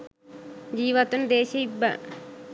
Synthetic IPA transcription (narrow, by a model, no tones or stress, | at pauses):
d͡ʑiːʋɐt̪und̪eːɕɐibːɐ̰